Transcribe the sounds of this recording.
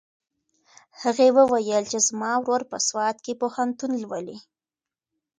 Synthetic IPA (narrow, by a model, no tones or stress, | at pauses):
haɣewəwajəlt͡ʃezmɑwɾoɾpəswɑt̪kepohant̪unlwəli